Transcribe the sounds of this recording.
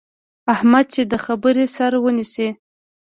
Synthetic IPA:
ahmad̪̚t͡ʃed̪əxabəɾesaɾawənisi

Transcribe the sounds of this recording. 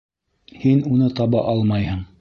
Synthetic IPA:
hinunɤt̪ɑβɑʔɑlˠmɑjhɤɴ

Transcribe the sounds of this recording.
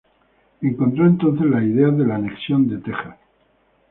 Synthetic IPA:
e̞ŋkont̪ɾo̞ent̪o̞nθe̞zlaið̞eaðe̞laneksjo̞nd̪et̪e̞xa

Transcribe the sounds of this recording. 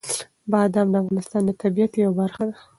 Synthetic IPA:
bɑd̪ɑmd̪əafɣɑnɪst̪ɑnd̪ət̪abijat̪jawabaɾxad̪a

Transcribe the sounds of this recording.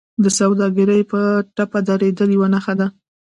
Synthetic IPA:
d̪əsawd̪ɑɡəɾəjpəʈapad̪aɾed̪əljwanaxad̪a

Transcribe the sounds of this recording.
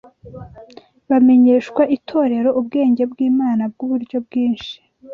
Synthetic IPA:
βame̞ɲe̞ːʃkwaʔitʰo̞ːɾe̞ɾo̞ʔubɡe̞ːɲɟe̞bɡiːmaːnabɡuβuɾɟo̞bɡiːnʃi̥

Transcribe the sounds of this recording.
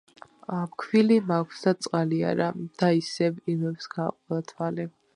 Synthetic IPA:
apkʰwilimakʷʰsd̪at̪sʼqʼalia̰ɾad̪̥aisɛbimɛbsɡ̥aːqʼɔlˠat̪ʰwalɛ

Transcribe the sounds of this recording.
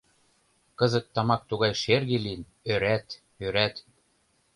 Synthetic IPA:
kɤ̆zɤ̆t̪ːɑmɑk̚t̪uɣɑjʃerɣelin | øɾæt̪ | øɾæt̪

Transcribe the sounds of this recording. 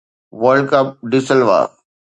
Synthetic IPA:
ʋəlɖkɐp̚ɖɪsəlʋa̰ː

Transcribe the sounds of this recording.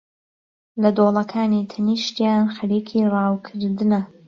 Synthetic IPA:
lɐd̪oːlˠɐkʰaːniːt̪ʰɐniʃt̪janxɐɾiːkʰiːrɑːwkʰɨɾd̪ɨnɐ

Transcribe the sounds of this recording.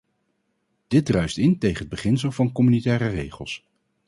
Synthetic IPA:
d̥ɪt̚drœɥstɪntejχənɦəd̚bəχɪns̬əlˠvɑnkɔmynitɛːrərejχəlˠs

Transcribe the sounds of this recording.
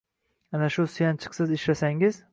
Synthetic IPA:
anaʃʊsɪjant͡ʃʰɨ̥qsɪzɪʃlasaŋɪz

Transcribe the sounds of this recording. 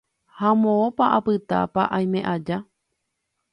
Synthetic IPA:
hamõõpaʔapɨt̪a̰paʔaj̃mẽʔad͡ʒa

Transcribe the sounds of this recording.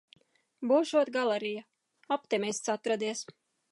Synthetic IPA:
buːʃuɔt̪ɡalˠɛɾija | ɔp̚t̪ɛmʲist̪sat̪ɾad̪iɛs

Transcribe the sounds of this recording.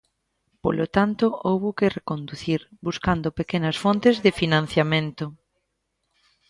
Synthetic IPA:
po̰lot̪ant̪oowβokɪrekond̪uθiɾbuskand̪opekenɐsfõnt̪ɪzðɪfinãn̟θjamẽnt̪ʊ

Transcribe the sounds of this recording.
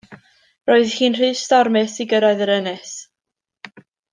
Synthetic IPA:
roːɨðhiːnr̥i̥ːstɔɾmɛsiɡəɾaɨðəɾənɛs

